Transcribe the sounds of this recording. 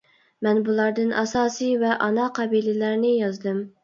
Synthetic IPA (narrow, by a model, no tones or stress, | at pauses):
mɛnbulˠɑɾd̪ɨnʔɑsɑːsɨjvɛʔɑnɑqʰɑbilɪlæɾnɪjɑzd̪ɨm